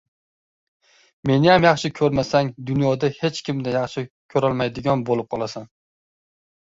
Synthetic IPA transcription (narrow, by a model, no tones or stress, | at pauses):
me̞nɪjamjɑχʃɪkʲʰɵɾmasaŋd̪ʊnjɒd̪ahe̞t͡ʃkʲɪmd̪ajɑχʃɪkʲʰɵɾɒlˠmajd̪ɪɡʲɒnbolˠɪp̚qʰɒlˠasan